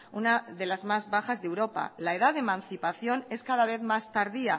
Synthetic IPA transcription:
unaðe̞lazmazβaxazðe̞wɾo̞pa̰lae̞ðaðemãnθipaθjo̞ne̞skað̞aβ̞e̞θmast̪aɾðia

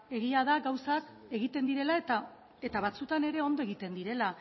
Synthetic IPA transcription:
e̞ɣiaðaɡawsak | e̞ɣit̪e̞nd̪iɾe̞lat̪a | e̞t̪aβat͡sut̪ane̞ɾe̞o̞nd̪o̞e̞ɣit̪e̞nd̪iɾe̞la

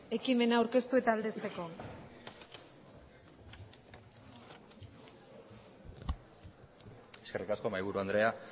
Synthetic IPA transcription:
e̞kime̞naːwɾke̞st̪ue̞t̪aːld̪e̞st̪e̞ko̞ | e̞ske̞rikasko̞majβ̞uɾuand̪ɾe̞a

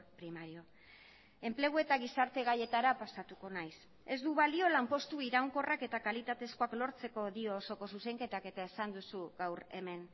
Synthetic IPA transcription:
pɾimaɾio̞ | e̞mple̞ɣ̞ue̞t̪aɣisaɾt̪e̞ɣ̞aje̞t̪aɾapasat̪uko̞najs | e̞zd̪uβalio̞lampo̞st̪uiɾawŋko̞rake̞t̪akalit̪at̪e̞skoaklo̞ɾt͡se̞ko̞ðio̞so̞ko̞s̬use̞ŋke̞t̪ake̞t̪ae̞sand̪usuɣawɾe̞me̞n

